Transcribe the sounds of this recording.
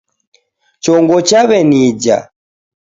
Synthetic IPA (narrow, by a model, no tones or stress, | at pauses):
t͡ʃɔŋɡɔt͡ʃaβɛnid͡ʒa̰